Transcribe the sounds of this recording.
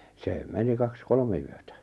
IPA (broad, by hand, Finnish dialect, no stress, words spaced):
seː meni kɑks kolme yøtæ